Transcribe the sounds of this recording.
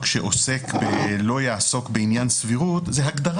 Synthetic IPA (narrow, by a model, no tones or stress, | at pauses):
kʃḛʔose̞kbelo̞jaːso̞kbeinjansviʁut̪zeɦaɡd̪aʁ